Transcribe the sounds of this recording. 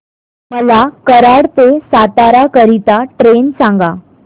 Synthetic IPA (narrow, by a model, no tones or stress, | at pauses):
məlakəɾaɽt̪esat̪aɾakəɾit̪aʈɾensãŋɡa